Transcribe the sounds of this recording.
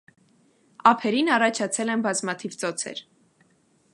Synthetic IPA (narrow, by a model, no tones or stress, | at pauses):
ɑpʰɛɾinɑrɑt͡ʃʰɑt͡sʰɛlɛnbɑzmɑt̪ʰivt͡sɔt͡sʰɛ̰ɾ